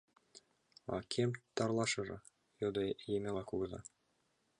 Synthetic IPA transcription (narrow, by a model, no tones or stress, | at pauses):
ɑ̰kʰemt̪ɑrlˠɑʃɤ̆ʐɤ̆ | jod̪ɤjemʲelɑkuɡɤ̆zɑ̰